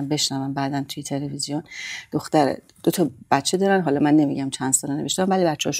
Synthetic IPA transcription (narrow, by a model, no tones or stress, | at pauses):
mbe̞ʃnævæmbæːd̪ænt̪ʰujet̪ʰe̞levizijond̪̥oxt̪æɾḛ | d̪̥ot̪ʰɒb̥æt̪t͡ʃʰːe̞d̪ɒːɾænɦɒːlɒːmænːe̞miɟæmt͡ʃʰænd̪sɒːlenee̞ʃt̪ːæmvælibæt̪t͡ʃːehɒʃ